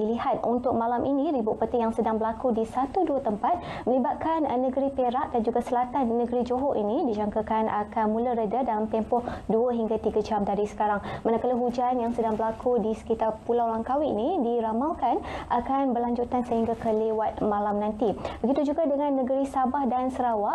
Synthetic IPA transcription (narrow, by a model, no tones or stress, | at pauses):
ilihat̪̚unt̪ʊk̚mãlamʔinĩɾibʊʔpət̪ɪjaŋsədaŋbəlakudisat̪uduət̪əmpat̪̚ | mə̃libat̪̚kannːəɡəɾipeɾaʔ̚dand͡ʒuɡasəlat̪anːə̃ɡəɾid͡ʒoɦoʔinĩdid͡ʒaŋkakanʔakanmũləɾədədalamt̪ɛmpɔhduəɦiŋɡat̪iɡad͡ʒamdaɾisə̥kaɾaŋmanakaləɦud͡ʒanjaŋsədaŋbəlakʰudisə̥kit̪arpulawlaŋkawiḭnidiɾamawkanʔakanbəlaɲd͡ʒut̪ansəɦiŋɡakəlewat̪̚mãlamnãnt̪ibəɡit̪ud͡ʒuɡadəŋãnːəɡəɾisabahdansəɾawaʔ